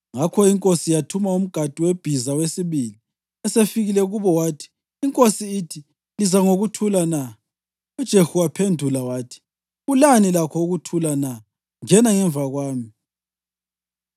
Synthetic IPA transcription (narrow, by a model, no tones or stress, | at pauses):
ŋakʰɔiŋkʼosijatʰumaum̩ɡ̥ʱatʼiweb̥ʱizawesiβili | ɛsefiɣilɛɣuβɔwaːtʰi̥ː | ŋkʼosiːtʰi | lizaŋoɣutʰulana | ud̥ʒ̥ʱehuapʰendʱulawaːtʰi̥ | ɣulanilakʰɔuɣutʰulana | ŋɛnaŋɛɱvaɣwaːmi